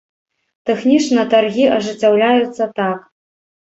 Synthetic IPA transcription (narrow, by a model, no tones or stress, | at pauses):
t̪ɛxnʲit͡ʂnɨɐt̪arɣʲiʔɐʐɨt͡sʲːawlʲajut̪sːɐt̪ak